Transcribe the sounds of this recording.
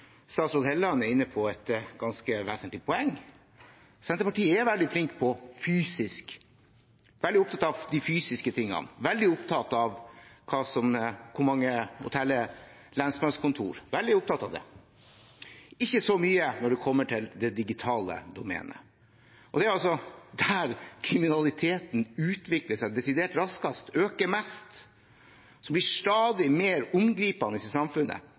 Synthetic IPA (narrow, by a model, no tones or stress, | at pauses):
st̪ɑːt̪slɔːt̪hɛlːɑnɛɾɪnːəpʰɔɛt̪ɡɑnskəʋæːsənt̪lɪpʰɔɛŋː | sɛnt̪əpɑʈiːəæɾʋɛld̪ɪflɪŋkpʰɔfyːsɪsk | ʋɛld̪ɪʊpt̪ɑt̪ɑʋd̪ɪfyːsɪskət̪ʰɪŋːɑ̰nʋɛld̪ɪʊpt̪ʰɑt̪ɑʋkʰɑːsɔmkʰʊɾmɑŋːəhʊ̰t̪ʰɛlːə | lɛnsmɑskʊnt̪ʰṵːɾʋɛld̪ɪʊp̚t̪ɑt̪ɑʋd̪ɛ̰ | ɪçːəsɔmyːənɔɖɛkʰɔmːəʈʰɪld̪ɛd̪ɪɡɪt̪ʰɑːlə̰d̪ʊmɛ̰ːnə̰ | ʔɔd̪ɛæɾɑls̬ɔd̪æɾkʰɾɪmɪnɑlɪt̪ʰeːt̪nʉːt̪ʋɪkləʂæɪd̪ɛsɪd̪eːʈɾɑskɑst̪øːkəmɛst̪ | sɔmblɪʂt̪ɑːd̪ɪmeːɾʊmɡɾiːpɑnɪsɪsɑmfʉnːə̰